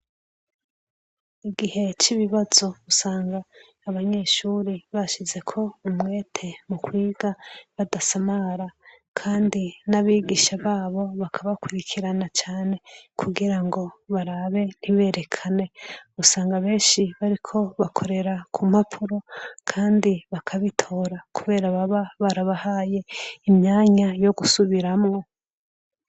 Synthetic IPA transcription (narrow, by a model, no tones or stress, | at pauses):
iɡihe̞t͡ʃiβiβazo̞usaːŋɡaː | βaɲe̞ʃuɾiβaʃize̞kʰo̞umŋe̞ːtʰe̞mukwiːɡaβadasamaɾa | kʰaːndinaβiːɡiʃaβaːβo̞βakʰaβakwuɾikʰiɾanat͡ʃaːne̞kʰuɡiɾaŋɡo̞βaɾaβe̞n̥iβe̞ːɾe̞kʰane̞usaːŋɡaβe̞ːnʃiβaɾikʰo̞βakʰo̞ɾe̞ɾakʰumapʰuɾo̞kʰaːndiβakʰaβitʰo̞ɾakuβe̞ːɾaβaβaβaɾaβahaje̞imɲaːɲajo̞ɡusuβiɾamŋo̞